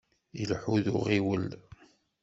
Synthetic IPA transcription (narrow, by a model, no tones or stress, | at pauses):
ilħuðʊʁiwəl